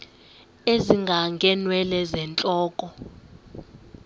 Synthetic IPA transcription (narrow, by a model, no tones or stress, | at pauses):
eziŋɡʱaŋɡʱɛnwɛlɛzɛnt͡ɬʼɔːkʼɔ